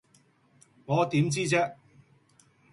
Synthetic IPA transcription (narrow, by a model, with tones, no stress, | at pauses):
ŋɔː˨˧t̪iː˨˥mt͡siː˥t͡sɛː˥